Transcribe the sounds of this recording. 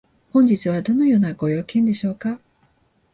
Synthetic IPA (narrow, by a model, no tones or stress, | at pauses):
hõ̞ɲ̟d͡ʑit͡sɨβ̞ad̪o̞no̞jo̞ːnaɡo̞jo̞ːkẽ̞nd̪e̞ɕo̞ːka